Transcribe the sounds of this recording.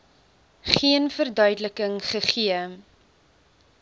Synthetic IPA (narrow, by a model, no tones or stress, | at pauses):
χiənfərdœɥdələkəŋχəχiə